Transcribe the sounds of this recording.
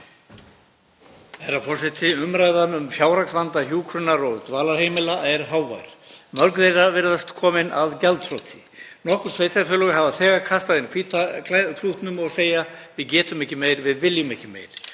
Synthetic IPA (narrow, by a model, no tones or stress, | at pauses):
ɛɾafɔrsɪt̪ʰɪʏmɾaːjðanʏmfjaːwɾaksvant̪açjuːkʰɾʏnaɾɔɣt̪vaːlaɾ̥hejmɪlaɛɾɦaːwva̰jɾ̥mœɾkðejravɛːɾðast̪kʰɔːmɪnaðcalt̪fʰɾowt̪ʰɪ̥ | nɔhkʏɾ̥sʰveːjt̪ʰafʏːlʏɣʏɦaːvaθɛːɣaɾkʰast̪aðɪnkʰviːt̪akʰakʰɾ̥uht̪nʏmɔɣseːjavɪðcɛːt̪ʏmɛhcɪmeːjɾvɪðvɪljʏmɛhcːɪmḛːjɾ̥